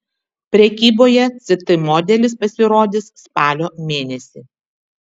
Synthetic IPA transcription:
pʲɾʲɛkʲiːboːjɛt̪sʲɪt̪ɨmoːd̪ʲɛlʲɪspɐsʲɪɾoːd̪ʲɪsspɑːlʲoːmʲeːnʲɛsʲiːˑ

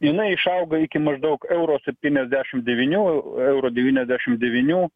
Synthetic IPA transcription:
jɪnɐɪɪʃɐʊɡɐɪkʲɪmɐʒd̪ɐʊkɛʊɾoːsʲɛp̚ʲt̪ʲiːnʲɛzʲd̪ʲæːʃʲɪmd̪ʲɛʋʲɪnʲuːɛʊɾoːd̪ʲɛʋʲiːnʲɛzʲd̪ʲæːʃʲɪmd̪ʲɛʋʲɪnʲuː

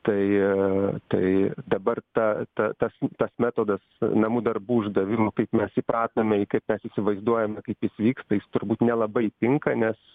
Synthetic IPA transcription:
t̪ɐɪ | t̪ɐɪd̪ɐbɐrt̪ɐt̪ɐt̪ɐst̪ɐsmʲæːt̪oːd̪ɐsnɐmuːd̪ɐrbuːʊʒd̪ɐʋʲɪmokɐɪpmʲɛsipɾɑːt̪nɐmʲɛikɐɪpmʲɛsɪsʲɪʋɐɪzd̪uɔjɛmʲɛkɐɪpjɪsʋʲiːkst̪ɐjɪst̪ʊɾbuːt̪nʲɛlˠɐbɐɪpʲɪŋkɐnʲɛs

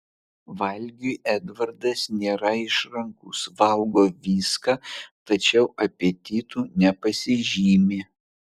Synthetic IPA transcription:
ʋɐlʲɡʲuʔɛd̪ʋɐɾd̪ɐsnʲeːɾɐɪʃɾɐŋkusʋɐlˠɡoːʋʲiːskɐt̪ɐt͡ʃʲɛʊʔɐpʲet̪ʲiːt̪uːnʲɛpɐsʲɪʒʲiːmʲeː

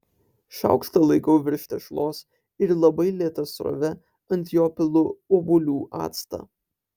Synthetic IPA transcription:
ʃɐ̰ˑʊkst̪ɐlˠɐɪkɐʊʋʲɪɾʲʃʲt̪ʲɛʃlˠoːs | ɪɾlˠɐbɐɪlʲiːt̪ɐsɾo̰ʋʲɛ | ɐnʲt̪ʲijoːpʲɪlˠʊoːbʊlʲuːʔɑ̰ːt̪st̪ɐ̰ː

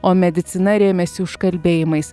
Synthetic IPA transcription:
oːmʲɛd̪ʲɪt̪sʲɪnɐɾʲeːmʲɛsʲɪʊʃkɐlʲbʲeːjɪmɐɪs

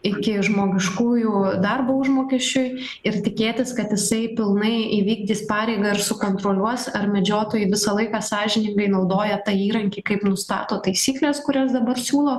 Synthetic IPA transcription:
ɪkʲɪʒmoːɡʲɪʃkuːjud̪ɐrbɐʊʒmoːkʲɛʃʲt͡ʃʲʊj | ɪrt̪ʲɪkʲeːt̪ʲɪskɐt̪jɪsɐɪpʲɪlˠnɐɪiʋʲiːɡd̪ʲiːspɑːɾʲɛɪɡɐɪɾsʊkoːnt̪ɾoːlʲuɔsɐɾmʲɛd͡ʒʲoːt̪oːjɛɪʋʲɪsɐlˠɐɪkɑːsɑːʒʲɪnʲɪŋɡɐɪnɐʊd̪oːjɛt̪ɐiːɾɐŋʲkʲiːkɐɪpnʊst̪ɑ̰ːt̪oːt̪ɐɪsʲiːklʲeːskʊɾʲɛːsd̪ɐbɐrsʲuːlˠoː

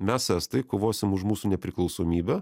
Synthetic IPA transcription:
mʲɛsæːst̪ɐɪkoːʋoːsʲɪmʊʃmuːsuːnʲɛpʲɾʲɪklˠɒʊsoːmʲiːbʲɛ

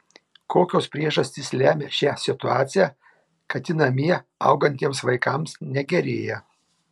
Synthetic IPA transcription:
koːkʲoːspʲɾʲiɛʒɐsʲt̪ʲɪslʲæːmʲeːʃʲæːsʲɪt̪ʊɑːt̪sʲɪjæː | kɐt̪ʲɪnɐmʲiɛɐ̰ʊɡɐnʲt̪ʲiɛmsʋɐɪkɐmsnʲɛɡʲɛɾʲeːjɛ

